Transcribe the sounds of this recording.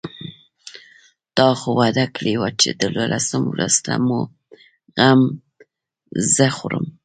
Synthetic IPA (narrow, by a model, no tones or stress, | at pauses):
d̪̥ɑxowad̪akliwat͡ʃed̪əlolʔasəmwɾaz̥t̪amo | ɣam | zəxoɾəm